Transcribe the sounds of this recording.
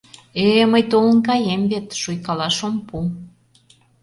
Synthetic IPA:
eməjt̪olə̆nkɑjemβet̪ʃujkɑlɑʃompu

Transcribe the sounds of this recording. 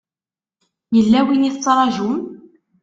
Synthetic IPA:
jəlːæwiniθt͡sːɾˤɑʒum

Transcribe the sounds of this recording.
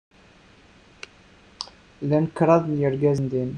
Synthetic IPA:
lænəkːɾˤɑðˤnjəɾɡæznd̪in

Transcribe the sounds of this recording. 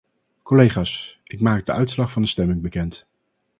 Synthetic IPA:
kolejχaːs | ɪkmaːk̚dəʔœɥtslɑχfɑndəstɛmɪŋbəkɛnt

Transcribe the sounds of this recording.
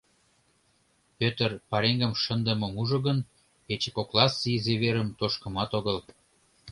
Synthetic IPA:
pøt̪ərpɑɾeŋɡəmʃənd̪ə̆mə̆muʒoɣən | et͡ɕə̥koklɑsizeβeɾəmt̪oʃkə̆mɑt̪oɣəl

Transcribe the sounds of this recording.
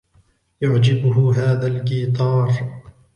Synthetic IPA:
jʊʕd͡ʒɪbʊɦʊɦaːðalkiːt̪ˤɑːɾˤ

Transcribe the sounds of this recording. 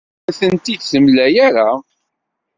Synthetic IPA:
θənt̪id̪səmlæjæɾa

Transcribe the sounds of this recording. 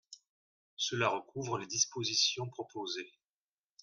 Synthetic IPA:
səlaʁəkuvʁəled̪ispozisjɔ̃pχɔpoze

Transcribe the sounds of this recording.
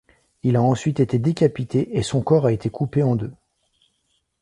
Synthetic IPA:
ilaɑ̃sɥit̪et̪ed̪ekʲapit̪ʰeʔːsɔ̃kɔʁaet̪ʰekʰupeɑ̃d̪ø

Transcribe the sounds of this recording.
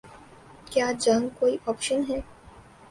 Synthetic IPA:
kjaːd͡ʒɐ̃ŋɡkoːiʔɔːpʃənɦɛː

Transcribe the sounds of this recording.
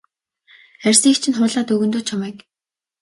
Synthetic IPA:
ærʲsiːkt͡ɕʰɪ̆nχʊːɮaːt̪ɵɣɵ̆nt̪oːt͡ɕʰamɛːk

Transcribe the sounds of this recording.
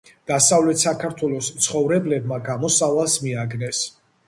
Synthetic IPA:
d̪̥asavlɛt̪sakʰaɾt̪ʰwɛlˠɔst̪sʰχɔvɾɛblɛb̚maɡamɔsavalˠsmiaɡnɛs

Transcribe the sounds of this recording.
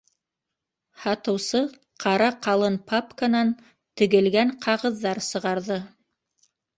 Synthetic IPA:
hɑt̪ɤ̆wsɤ | qʰɑɾɑqɑlˠɤnpʰapkanɑn | t̪ɵ̆ɡɘ̆lɡæŋqʰɑʁɤ̆ðːɑɾsɤ̆ʁɑɾðɤ

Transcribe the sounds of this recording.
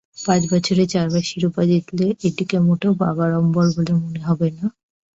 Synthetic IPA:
pãt͡ɕbɔt͡ɕʰoɾet͡ɕaɾbaʃiɾupad͡ʑet̪leʔeʈikemoʈobabaɾɔmbɔɾbolemoneɦɔbena

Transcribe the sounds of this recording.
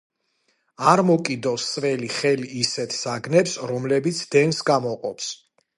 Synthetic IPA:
aɾmɔkʼid̪ɔsːʼvɛliχɛliːsɛt̪ʰsaɡnɛpsɾɔmlɛbit̪sʰd̪̥ɛnsɡamɔqʼɔps

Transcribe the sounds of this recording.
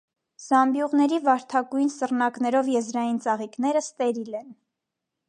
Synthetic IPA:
z̥ɑmbjuʁnɛɾivɑɾt̪ʰɑɡujnsərnɑknɛɾɔvjɛzɾɑjint͡sɑʁiknɛɾəst̪ɛɾilɛn

